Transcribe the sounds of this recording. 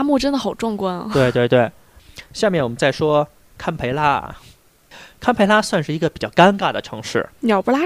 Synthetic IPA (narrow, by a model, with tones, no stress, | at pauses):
mu˥˩ʈ͡ʂə˥nd̪ə˩xɑ˨˩ʊʈ͡ʂʊ˥˩ŋkwa˥n˩t̪we˥˧t̪we˥˧ɪt̪we˥˩ɪ | ɕja˥˧mjɛ˥˩nwɔ˨˩ə˦nt͡sa˥˩ɪʂwɔ˥ | kʰa˥npʰe˧˥ɪla̰˥˩ | kʰa˥npʰe˧˥ɪla˥swa˥˧nʂɻ̩˥˩i˧˥ɡə˧pi˨˩t͡ɕjɑ˥˩ʊka˥nka˥˩d̪ə̰˩ʈ͡ʂʰɤ̰˧˥ŋʂɻ̩̰˥˩njɑ˨˩ʊpu˥la˥